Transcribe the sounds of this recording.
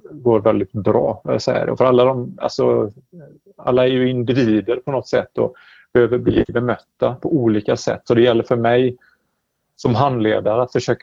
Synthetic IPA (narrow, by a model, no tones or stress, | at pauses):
ɡoːɾvɛld̪ɪt̪̚bɾɑ̰ːvaa̰sɛ̰jːə̰ɾɔ̰fœɾalːad̪ɔma̰lsɔ | a̰lːaæɾjɵɪnd̪ɪviːd̪əɾpʰɔnɔt̪ːsɛ̰t̪ːɔ̰ | b̥ɛhøːvəɾblḭːbɛmœt̪ːapʰɔuːliːkasɛ̰t̪ːsɔd̪ɛjɛlːəɾfœɾmɛj | sɔmɦanleːd̪aɾəat̪fœʂøːk